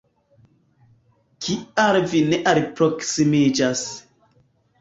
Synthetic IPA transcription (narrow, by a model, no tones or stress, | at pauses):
kʰiaɾvineʔaɾpɾoksimid͡ʒas